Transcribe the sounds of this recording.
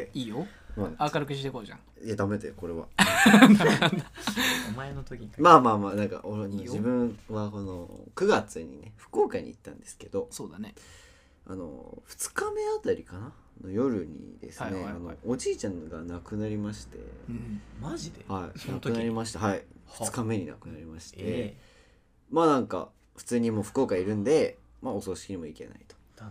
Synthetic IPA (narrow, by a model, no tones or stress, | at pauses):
eiːjo | maakaɾɯkɯɕid̪ekoʑã̰ŋ | ed̪amet̪eoko̞ɾe̞βa̰ | maenot̪okʲimaːmaːmaːnãŋka̰ʔonod͡ʑibɯ̟̃βako̞no̰kɯ̟ɡat͡sɨɲ̟ḭne̞ɸɯ̟̥ko̞ːkaɲ̟ḭːt̪ːã̰nd̪e̞sɨ̥ke̞d̪o̞soːd̪ane | a̰no̞̰ɸɯ̥t͡sɨ̥kame̞at̪aɾʲikana | no̞jo̞ɾɯ̟ɲ̟ḭd̪̥e̞̰sne̞anood͡ʑiːt͡ɕãŋɡanakɯ̟naɾʲimaɕi̥t̪e̞̰ | aʑid̪ehaḭnakt̪ɯnɾʲimaɕi̥t̪aɦaiɸɯt͡sɨ̥kame̞ɲ̟ina̰kɯ̟naɾʲimaɕi̥tt̪e̞ | maːnãŋka̰ | ɸɯ̟̥t͡sɨːɲ̟imo̞ːɸɯ̟̥ko̞ːkaiɾɯ̟̃nd̪e̞ | maosoːɕi̥kʲiɲ̟imo̞ike̞̰na̰it̪o̥